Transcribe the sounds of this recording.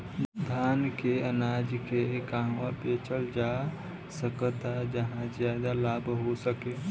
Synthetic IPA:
d̪ʱankeənad͡ʒkekãɦabet͡ʃəld͡ʒa | səkət̪ad͡ʒəɦãd͡ʒjad̪alabɦosəke

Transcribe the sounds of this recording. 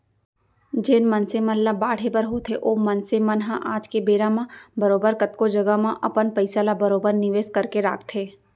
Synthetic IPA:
d͡ʒeːnmɐnseməllabaːɽ̤ebəɾɦoːt̪ʰeʔoːmɐnsemɐnɦãʔaːd͡ʒkebeːɾamãbɐɾoːbəɾkɐt̪kod͡ʒɐɡəmãʔɐpənpɐɪsalabɐɾoːbəɾnɪʋeːskɐɾkeɾa̰ːkʰt̪ʰeː

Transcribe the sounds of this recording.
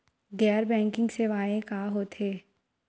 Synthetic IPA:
ɡɛːɾbɛ̃ːŋkɪ̃ŋɡseːʋaːẽkaːɦoːt̪ʰeː

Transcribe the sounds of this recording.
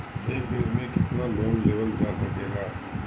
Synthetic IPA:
ɦeːbɪɾmẽkɪt̪naloːŋleːʋəld͡ʒaːsɐkeːɡaː

